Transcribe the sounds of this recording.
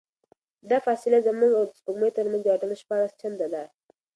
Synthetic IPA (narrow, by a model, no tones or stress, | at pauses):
d̪ɑfɑsɪlazəmuŋɡawd̪əʊmet̪əɾmanzɑʈanaʃpɑɾast͡ʃand̪ad̪a